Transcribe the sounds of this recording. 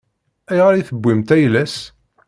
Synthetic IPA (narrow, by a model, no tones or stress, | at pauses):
æjʁəɾiθəbʷːimt̪æjlæs